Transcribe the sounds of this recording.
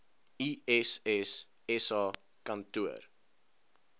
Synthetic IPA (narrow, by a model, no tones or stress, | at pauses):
iɛsɛs | ɛsɑ | kɐntuə̰r